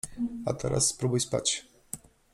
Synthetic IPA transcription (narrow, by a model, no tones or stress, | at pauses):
at̪əɾʔa̰spɾubujspa̰t͡ɕʲ